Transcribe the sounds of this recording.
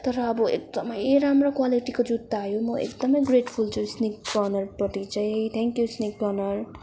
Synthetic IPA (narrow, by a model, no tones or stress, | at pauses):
t̪ʌɾʌːbʌḛk̚d̪ʌmʌjɾamrokwaliʈikod͡zud̪ːaɦʌjõmʌḛkd̪ʌmʌjɡreʈpʰult͡sʰusnik̚ɡʌnʌrpʌʈ̪it͡saj̃ɦet̪ʰɛ̃ŋkjusnikbʌnʌr